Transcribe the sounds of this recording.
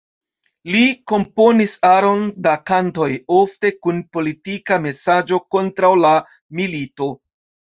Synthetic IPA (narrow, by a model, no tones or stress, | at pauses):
liko̞mpo̞nisaɾo̞ndakanto̞jo̞fte̞kunpo̞litikame̞sad͡ʒo̞ko̞ntɾawla | milito̞